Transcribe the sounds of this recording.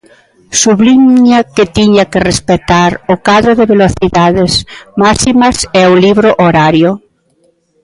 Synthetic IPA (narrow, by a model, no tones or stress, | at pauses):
suβlimɲaket̪iɲakerespet̪aɾʊkaðɾoðeβeloθiðaðesmasimasɛoliβɾoʔoɾaɾjʊ